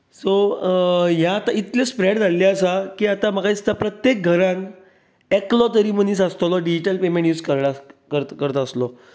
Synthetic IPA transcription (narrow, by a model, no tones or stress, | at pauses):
so | ɦjaːt̪ait̪lespɾeɽd͡zalːaəsakiːat̪amakait͡st̪apɾət̪jek̚ɡʱəɾãn | eklɔt̪̬əɾiːm̤ənisəst̪olɔɖid͡ʑiʈəlpemẽɳʈjuːd͡zkəɾlakəɾt̪kəɾət̪əslɔ